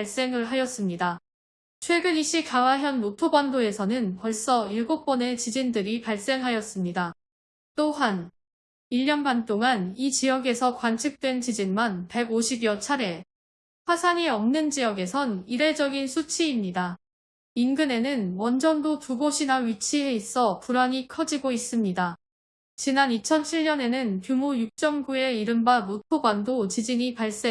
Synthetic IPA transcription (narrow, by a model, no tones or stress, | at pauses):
aɭs͈e̞ŋɯɭɦajʌs͈ɯmɲida | t͡ɕʰwe̞ɡɯniɕ͈ʰikawaɦjʌnːotʰobandoe̞sʰʌnɯnpʌɭs͈ʌiɭɡok̚p͈ʌne̞t͡ɕid͡ʑindɯɾipaɭs͈e̞ŋɦajʌs͈ɯmɲida | t͈oɦan | iʎːʌnmant͈oŋanit͡ɕijʌɡe̞sʰʌkwant͡ɕʰɯk̚t͈we̞nt͡ɕid͡ʑinmanpe̞ɡoɕʰibjʌt͡ɕʰaɾe̞ | ɸwasʰaŋiʌmnɯnd͡ʑijʌɡe̞sʰʌniɾe̞d͡ʑʌɡinsʰut͡ɕʰiːmɲida | inɡɯne̞nɯnwʌnd͡ʑʌndotuɡoɕʰinaɥit͡ɕʰiɦe̞is͈ʌpuɾaɲikʰʌd͡ʑiɡois͈ɯmɲida | t͡ɕinanit͡ɕʰʌnt͡ɕʰiɭɲʌne̞nɯnpjumujuk̚t͡ɕ͈ʌŋɡue̞iɾɯmbamotʰoɡwandot͡ɕid͡ʑiŋipaɭs͈e